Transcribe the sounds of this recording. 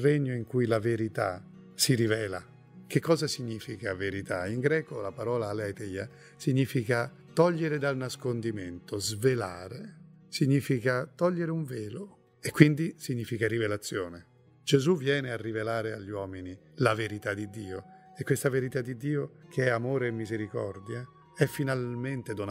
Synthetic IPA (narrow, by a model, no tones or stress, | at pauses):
reɲːoiŋkujlaveɾit̪a̰ | siɾivɛːla | kekʰːɔːzasiɲːiːfikaveɾit̪a̰iŋɡɾɛːkolapaɾɔːlaːlɛt̪ɛja | siɲːiːfika | t̪ɔʎːeɾed̪alnaskond̪iment̪ozvela̰ːɾe | siɲːiːfikat̪ɔʎːeɾeuɱvɛːlo | ekːwind̪isiɲːiːfikaɾivelat̪sːjɔːne | d͡ʒezuvjɛːnearːivelaːɾeaʎːiwɔːmini | laveɾit̪ad̪ːid̪ːiːo | ekːwest̪aveɾit̪ad̪ːid̪iːokʰeɛamoːɾeːmːizeɾikɔ̰rd̪ja | ɛfːinalment̪ed̪on